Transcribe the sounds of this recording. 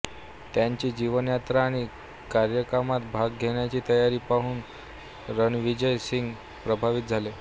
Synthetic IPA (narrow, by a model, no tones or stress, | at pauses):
t̪jaɲt͡ɕiːd͡ʑiʋənjat̪ɾaːɽ̃i | kaɾjəkamat̪bʱaɡɡʱeɳjat͡ɕiːt̪əjaɾiːpaɦuːn | ɾənʋid͡ʑəjsiŋɡ | pɾəbʱaʋit̪̚d͡zʱale